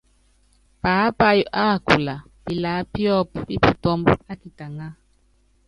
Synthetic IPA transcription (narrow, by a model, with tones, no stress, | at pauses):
pa˨a˦pa˦jɔ˨ʔa˦˨ku˨la˨ | pi˨la˨˦pjɔ˦pi˦pu˨tɔ˦mbɔ˦a˦ki˨ta˨ŋa˦